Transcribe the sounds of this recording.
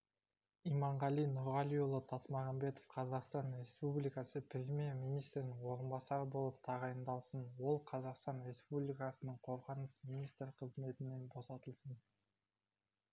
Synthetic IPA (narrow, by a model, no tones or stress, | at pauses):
ijmɑɴʁɑlˠijnʊɾʁɑlˠijulˠət̪ʰɑsmɑʁɑmbe̞t̪o̥fqʰɑzɑqst̪ɑnɾʲe̞spublijkɑsəpʰrʲemʲje̞ɾmijnijst̪ɾɪnɪŋwo̞ɾənbɑsɑɾəbo̞lˠəp̚t̪ʰɑʁɑjənd̪ɑlˠsənwo̞lˠqʰɑzɑqst̪ɑnɾʲe̞spublʲikɑsənəɴqʰo̞ɾʁɑnəsminijst̪rqʰəzme̞t̪ɪne̞nbo̞sɑt̪əlˠsən